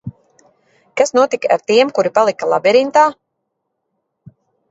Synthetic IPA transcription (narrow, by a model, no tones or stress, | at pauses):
kasnuɔt̪ika̰ɾt̪iɛmkuɾipalˠikalˠa̰bɛɾint̪aː